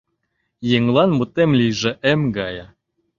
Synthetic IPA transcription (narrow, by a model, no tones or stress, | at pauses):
jeŋlˠɑnmut̪emlʲijʒĕʔemɡɑjɑ